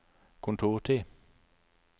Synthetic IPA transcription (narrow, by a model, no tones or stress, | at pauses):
kʰʊnt̪ʰuːʁʈ̪ʰi